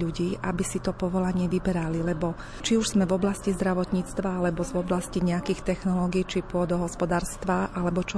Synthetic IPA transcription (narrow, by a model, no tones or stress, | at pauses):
uɟiːʔa̰bisit̪ɔpɔʋɔlaɲɪɛʋibɛɾalilɛbɔ | t͡ʃiuʒz̥mɛvɔblascizd̪ɾaʋɔt̪ɲiːt͡st̪ʋaalɛbɔzvɔblasciɲɛakiːxt̪ɛxnɔlɔːɡiːt͡ʃipʊɔd̪ɔɦɔspɔd̪aːɾst̪ʋaʔalɛbɔt͡ʃɔ